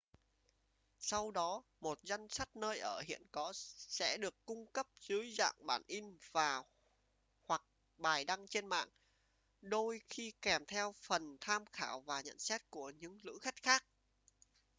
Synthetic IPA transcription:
sa˧wɗɔ˨˦ | mo˨˩t̚za˧jŋ̟sa˦˥t̚nəː˧jʔəː˧˩hḭ˧˨ənkɔ˨˦sɛ̰˧˥ɗɨ˨˩əkːʊ˧ŋ͡mkə˦˥p̚z̥ɨː˨˦jza̰ː˧˨ŋɓaː˧˩nʔi˧nvaː˨˩ | hwa˨˩k̚ | ɓaː˨˩jɗa˧ŋt͡ɕe˧nma̰ː˧˨ŋ | ɗo˧jxi˧kɛ˧˩mt̪ʰɛ˧wfə˨˩nt̪ʰaː˧mxaː˧˩wvaː˨˩ɲə̰˧˨nsɛ˦˥t̚ku˧˩əɲɨ̰˧˥ŋlɨ̰˧˥xa˦˥jk̟̚xaː˦˥k̚

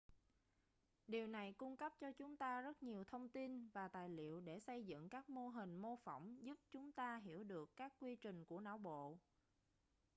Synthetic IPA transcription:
ɗi˨˩əwna˨˩jkʊ˧ŋ͡mkə˦˥p̚t͡ɕɔ˧t͡ɕʊ˨˦ŋ͡mt̪aː˧zə˦˥t̚ɲi˨˩əwt̪ʰə˧wŋ͡mt̪i˧nvaː˨˩t̪a̰ː˧˨jlḭ˧˨əwɗe˧˩sə˧jzɨ̰˧˨ŋkaː˦˥k̚mo˧ɦi˨˩ŋ̟mo˧fə˧˩wŋ͡mzu˦˥p̚t͡ɕʊ˨˦ŋ͡mt̪aː˧ɦi˧˩əwɗɨ˨˩əkːaː˦˥kːwi˧t͡ɕï˨˩ŋ̟ku˧˩əna̰ː˧˩wɓo̰˧˨

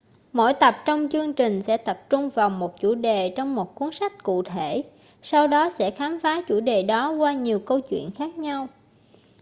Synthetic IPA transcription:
mo̰˧˥˨jt̪ə˨˩p̚t͡ɕɔ˧wŋ͡mt͡ɕɨ˧əŋt͡ɕï˨˩ŋ̟sɛ̰˧˥t̪ə˨˩p̚t͡ɕʊ˧ŋ͡mvaː˨˩wmo˨˩t̚t͡ɕu˧˩ɗe˨˩t͡ɕɔ˧wŋ͡mmo˨˩t̚ku˨˦ənsa˦˥jk̟̚kṵ˧˨t̪ʰe˧˩ | sa˧wɗɔ˨˦sɛ̰˧˥xaː˨˦mfaː˨˦t͡ɕu˧˩ɗe˨˩ɗɔ˨˦kwaː˧ɲi˨˩əwkə˧wt͡ɕwḭ˧˨ənxaː˦˥k̚ɲa˧w

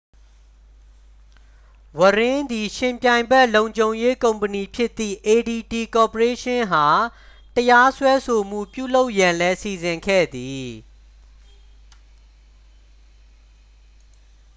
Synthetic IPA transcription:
wə˨ɹɪ̃˦d̪i˨ʃɪ̃˨mpjã˨ɪ̃mbɛ˦˨lõ˨ʊ̃ɲd͡ʑõ˨ʊ̃je˦kõ˨ʊ̃mpəni˨pʰjɪ˦t̪ːḭ˦˨ʔe˨di˨ti˨kɔ˨pəɹe˦ʃɪ̃˦ɦa˨ | təja˦swɛ˦sʰo˨m̥ṵ˦˨pjṵ˦˨lo˦ʊʔjã˨lɛ˦si˨zɪ̃˨ŋkʰɛ̰˦˨d̪i˨

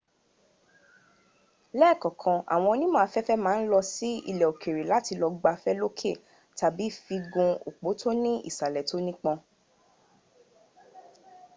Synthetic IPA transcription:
lɛ˦˨kɔ̃˨kʰɔ̃˧a̰˨w̃ɔ̃˧o˧nĩ˦mã˦˨a˧fɛ˦fɛ˦mãː˨˦n̩˦lɔ˧si˦ḭ˦˨lɛ˨o˨kʰe˨ɾe˨la˨˦ti˧lɔ˧ɡ͡ba˧fɛ˦lo˦kʰe˦˨ | ta˨bi˨˦fi˧ɡũ˧o˨k͡po˨˦tʰo˦nĩ˦ḭ˦˨sa˨lɛ˨to˦nĩ˦k͡pɔ̃˧

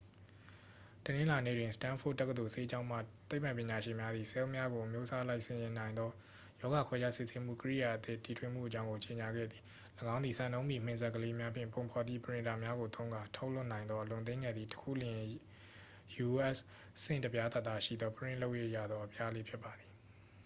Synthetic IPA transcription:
tənɪ̃˦la˨nḛ˦˨dwɪ̃˨sə̥tã˦nfʰʊ˦ʔ̚tːɛ˦kəd̪o˨se˦d͡ʑã˦ʊ̃m̥a̰˦˨t̪e˦pã˨pjɪ̃˨ɲa˨ʃɪ̃˨mja˦d̪ði˨sɛ˦o˦ʔmja˦ɡo˨ʔə˨mjo˦ʔsa˦la˦ɪʔsɪ̃˨jɪ̃˨nã˨ɪ̃nd̪ðɔ˦ | jɔ˦ɣa˨kʰwɛ˦d͡ʑa˦sɪ˦˨se˦m̥ṵ˦˨kəɹḭ˦˨ja˨ʔət̪ɪ˦˨ti˨tʰwɪ̃˦˨m̥ṵ˦˨ʔət͡ɕã˦ʊ̃ŋɡo˨t͡ɕe˨ɲa˨ɡɛ̰˦˨d̪ði˨ | ləɡã˦ʊ̃nd̪ði˨sã˨nõ˦ʊ̃mḭ˦˨m̥ɪ̃˨nzɛ˦ʔkːəle˦mja˦pʰjɪ̰̃˦˨mpõ˨ʊ̃pʰɔ˨t̪ḭ˦˨pəɹɪ̃˨nda˨mja˦ɣo˨t̪õ˦ʊ̃ŋɡa˨tʰo˦l̥ʊ˦˨nã˨ɪ̃nd̪ðɔ˦ʔəlʊ̃˨nt̪ẽ˦ŋɡɛ˦˨d̪ði˨tə̥kʰṵ˦˨ljɪ̃˨ | ju˨ʔɛ˦˨s | sɪ̰̃˦˨ntə˨pja˦t̪a˦˨t̪ːa˦˨ʃḭ˦˨d̪ðɔ˦pəɹɪ̰̃˦˨lo˦ʊʔje˦ʔja̰˦˨d̪ðɔ˦ʔəpʰja˦le˦pʰjɪ˦pːa˨d̪i˨

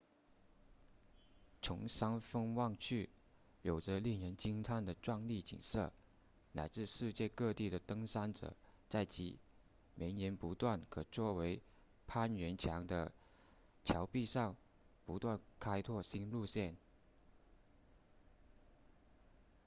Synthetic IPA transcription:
t͡sʰʊ˧˥ŋsa˥ŋfɤ˥ŋwɑ˥˧ŋt͡ɕʰy˥˩ | jo˨˩ʊʈ͡ʂə˦li˥˩ŋɻə˧˥nt͡ɕi˥ŋt̪ʰa˥˩nd̪ə˩ʈ͡ʂwa˥˧ŋli˥˩t͡ɕḭ˨˩nʂɤ̰˥˩ | la̰˧˥ɪt͡sɹ̩˥˧ʂɻ̩˥˧t͡ɕjɛ˥˧kɤ˥˧t̪i˥˩d̪ə˩t̪ɤ˥ŋʂa˥nʈ͡ʂɤ̰˨˩˦t͡sa˥˩ɪt͡ɕḭ˧˥ | mʔe˧˥nnjɛ˧˥npu˧˥t̪wa˥˩nkʰɤ˨˩t͡swɔ˥˩we˧˥ɪ | pʰa˥nɥɛ˧˥nt͡ɕʰjɑ˧˥ŋd̪ə̰˧ | t͡ɕʰjɑ˧˥ʊpi˥˧ʂɑ˥˩ŋ | pu˧˥t̪wa˥˩nkʰa˥ɪt̪ʰwɔ˥˩ɕi˥nlu˥˧ɕjɛ˥˩n

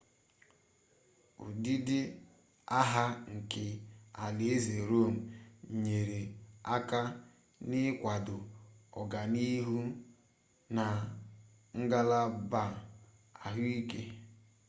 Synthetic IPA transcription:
ʊ̰˨di˦dɪ˦ | a˦ɦa˦ŋ̩˨kɪ˨a˨le˨e˦ze˨ɾo˦˨m̩˨ɲe˨ɾe˨a˦ka˦ | nɪ˦kʷa˨dʊ˨ɔ̰˨ɡa˨ni˦ɦu˦ | na˨ | ŋ̩˦ɡa˦la˦ba˦˨ | a˨ɦʊ˦i˦ke˦

